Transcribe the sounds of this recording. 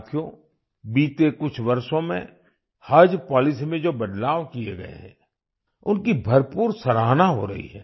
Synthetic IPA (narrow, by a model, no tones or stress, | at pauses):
t̪ʰijõ | biːt̪ekʊt͡ʃʰʋɐɾʃõmḛ̃ | haːd͡ʒpɔːlɪsimẽd͡ʒoːbɐd̪laːʋkijḛɡɐ̰ḛɦɛ̰̃ | ʊnkibʱɐɾpuːɾsɐɾaːɦnaɦo̰ɾɐ̰ɦḭɦɛː